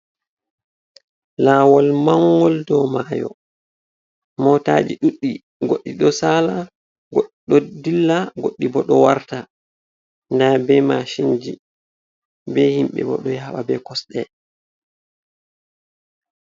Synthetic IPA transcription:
laːwɔlmaŋːɡɔldɔmajɔ̰ | mɔtad͡ʒiɗuɗːi | ɡoɗːiɗɔsaːla | ɡɗɔdilːaɡoɗːibɔɗɔwaɾta | ndabɛmaʃind͡ʒi | bɛhimɓɛ̰bɔ̰ɗɔjaɓabɛkɔsɗɛ

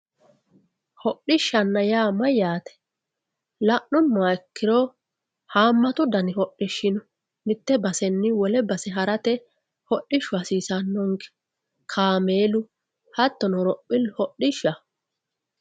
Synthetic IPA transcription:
hɔɗɪʃːɐnːɐjaːmɐjaːt̪ɛ̥ | lɐʔʊmːɛkːɪɾoː | haːmːɐt̪ʊd̪ɐnɪhɔɗːɪʃːɪnʊ | mɪt̪ːɛbɐsɛnːɪwɔlɛbɐsɛɦɐɾɐt̪ɛ | hɔɗːɪʃːʊɐsiːsɐnːɔŋɡɛ̥ | kʰaːme̞ːlʊ | hɐt̪ːɔnɔɾɔpʼːɪlhɔɗɪʃːɐ

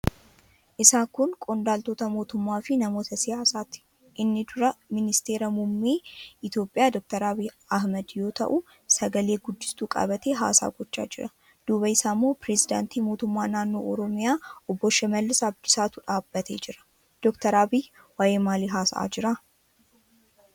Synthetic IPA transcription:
ʔɪsaːkʊnkʼɔnd̪aːlt̪o̞ːt̪ɐmo̞ːt̪ʊmːaːfɪnɐmo̞ːt̪ɐsɪjaːsaːt̪ɪ̥ | ʔɪnːɪd̪ʊɾɐmɪnɪst̪e̞ːɾɐmʊmːeːɪt̪jo̞ːpʼːɪjaːd̪ɔk̚t̪ɐɾaːbi | ɐhmɐd̪jo̞ːt̪ɐ̰ʔʊ | sɐɡɐle̞ːɡʊd̪ːɪ̥st̪uːkʼɐ̰bɐt̪eːɦa̰ːsa̰ːɡɔt͡ʃːa̰ːd͡ʒɪɾɐ | d̪̥uːbɐɪsaːmːo̞ːpɾɛsɪd̪a̰ːnt̪iːmoːt̪ʊmːaːnaːnːo̞̰ːʔɔɾɔmɪjaːʔɔbːɔʃɛmɐlːɪsabd̪ɪsaːt̪uᶑaːbːɐt̪ʰḛːd͡ʒɪɾɐ̥ | d̪̥ɔkt̪ɐɾaːbɪj | waːjʔeːmaːliːɦaːsɐa̰ːd͡ʒɪɾa

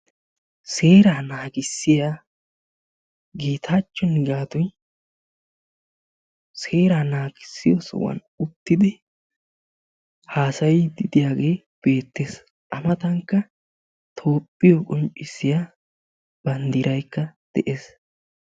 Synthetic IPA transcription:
se̞ːɾaːnaːɡɪsːɪjaː | ɡiːt̪ʰaːt͡ʃːɔnɪɡaːt̪ʊj | se̞ːɾaːnaːɡɪsːɪ̰jɔsɔ̰wɐ̰n | ʊt̪ːɪd̪ɪ | haːsɐjɪd̪ɪd̪ɪjaːɡe̞ː | b̥e̞ːt̪ːeːs | ʔɐmɐt̪ɐŋkːɐ | t̪ʰo̞ːpʼːɪjɔkʼɔnt͡ʃʼɪsːɪjaː | b̥ɐnd̪ɪɾɐjkːɐd̪̥ɛʔe̞ːs

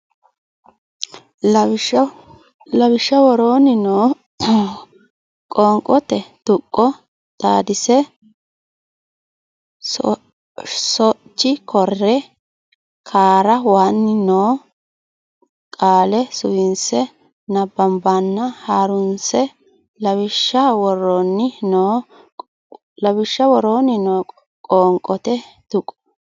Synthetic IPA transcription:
lɐbɪʃɐwɔɾoːnɪnoː | kʼɔŋkʼɔt̪ɛt̪ʊkʼːɔ | t̪aːd̪ɪsɛ | sɔt͡ʃːɪkʰɔrːɛ | kʰaːɾɐwaːnːɪnoː | kʼaːlɛsʊjɪnsɛ | nɐbːɐmbanːɐhaːɾʊnsɛ | lɐβɪʃːɐwɔɾoːnːɪnoː | lɐbɪʃːɐwɔɾoːnːɪnoː | kʼoːŋkʼːɔt̪ɛ | t̪ʊkʼːɔ̥

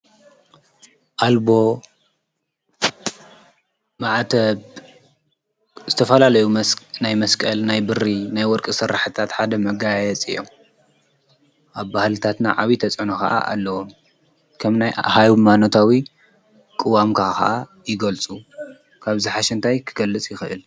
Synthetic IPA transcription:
ʔalbo̞ | maʕt̪ʰɐβ | zɨt̪ʰɐfɐlalɐjunajmɐskʼɐlnajbɨrinajwɔɾkʼɨsɨɾːaħɨt̪ʰat̪ħad̪ɐmɐɡajjɛt͡sʼɨ̰jːo̰m | ʔaβːahlɨt̪ʰat̪na̰ʕaβit̪ʰɐt͡sʼʕnɐkɐ̰ʔa̰ʔa̰lːɐwom | kʰɐmnajhajmanot̪ʰawi | kʼɨwamkʰaxɐ̰ʔa | jɪɡɐlt͡sʼu | kʰaβzɨħaʃɛnt̪ʰajkʰɨ̥ɡɐlːɨt͡sʼjɪxɨʔɨ̰l

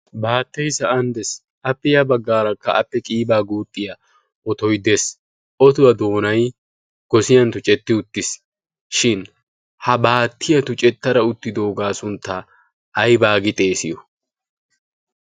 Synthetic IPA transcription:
baːt̪ːɐjsɐɐnd̪ɛs | ʔɐpːɪjɐbɐɡːaːɾɐkːɐɐpːɛkʼiːbaːɡuːt̪ʼːɪjɐ | ʔɔt̪ɔjd̪es | ʔɔt̪ʊwɐd̪o̞ːnɐj | ɡ̥ɔsɪjɐnt̪ʊt͡ʃʼɛt̪ːɪʊt̪ːɪs | ʃɪn | hɐbaːt̪ːɪjɐt̪ʊt͡ʃʼɛt̪ːɐɾɐʊt̪ːɪd̪oːɡaːsʊnt̪ːɐ | ʔːjbaːɡɪt̪ʼeːsɪjɔ

